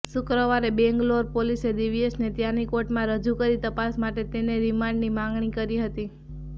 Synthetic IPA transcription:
sʊkɾəʋaɾebɛ̃ŋɡloɾpolised̪iʋiesnet̪janikoʈmãɾəd͡ʒukəɾit̪əpasmaʈet̪eneɾimaɳɖnimãŋɡɳ̃ikəɾiɦət̪i

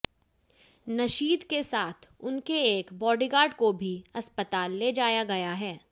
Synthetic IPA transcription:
nɐʃiːd̪kesaːt̪ʰʊnkeeːkbɔːɖiɡaːɾɖkobʱiɐspət̪aːlːeːd͡ʒaːjaɡɐjaɦɛː

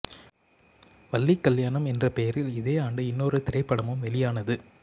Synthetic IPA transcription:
ʋɐlːikːɐljaːɳɐmɛndrɐpejɐɾɪlɪðeːaːɳɖɯɪnːoːɾɯt̪ɪrɐɪpːɐɽɐmɯmʋɛlɪjaːnɐðɯ

